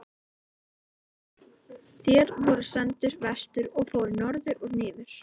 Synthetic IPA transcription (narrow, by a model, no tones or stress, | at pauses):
θjɛːɾvɔɾʏsɛnt̪ʏɾvɛst̪ʏɾɔɣfoːwɾʏɾnɔɾðʏɾɔɣnɪːðʏɾ̥